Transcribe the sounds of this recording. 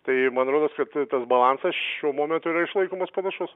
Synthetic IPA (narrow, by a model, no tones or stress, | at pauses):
t̪ɐɪmɐnɐt̪ɾoːd̪oːskɐt̪t̪ɐsbɐlˠɑnsɐsʃʲuɔmoːmʲɛnt̪ʊiːɾɐɪʃlˠɐɪkoːmɐspɐnɐʃʊs